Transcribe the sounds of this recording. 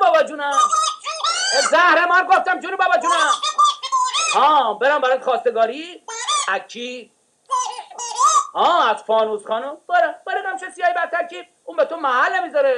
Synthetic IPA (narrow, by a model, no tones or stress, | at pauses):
bɒːbæd͡ʒunæ | ezæhɾemɒnɡoft̪æmd͡ʒunibɒːbæd͡ʒuːnæm | hɔːbeɾæmbæɾat̪xɒːst̪eɡɒːɾiæt͡ʃʰi | hɒːæzfɒːnuzxɒːnub̥eɾæb̥eɾid̪æmt͡ʃesijɒːjibæɾt̪ʰːæɾkʰib̪̚ | ũnbet̪ʰomæɦælːemizɒɾe